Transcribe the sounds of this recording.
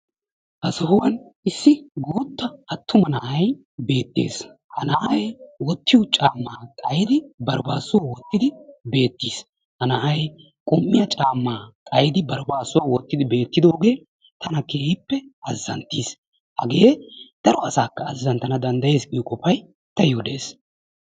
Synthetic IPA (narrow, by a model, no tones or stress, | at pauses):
ʔɐsɐhʊwɐnɪsːɪɡoːt̪ːɐɐt̪ːʊmɐnɐʔɐj | be̞ːt̪ːḛːshɐnɐʔɐjwɔt̪ːɪʊt͡ʃʼaːmːaːkʼɐjɪd̪ɪbɐɾbaːsɔwɔt̪ːɪd̪ɪbe̞ːt̪ːiːs | hɐnɐʔɐj | kʼʊmːɪjɐt͡ʃʼaːmːaːkʼɐjd̪ɪbɐɾbaːsoːwɔt̪ːɪd̪ɪbe̞ːt̪ːɪd̪o̞ːɡe̞ː | t̪ʰɐnɐkeːhɪpːɛɐzːɐ̰nt̪ːis | hɐ̰ɡe̞ːd̪̥ɐɾɔɐsaːkːɐːzːɐnt̪ɐnɐd̪ɐnd̪ɐje̞ːskʼijkʼɔfɐj | t̪ɐjod̪e̞̰ːs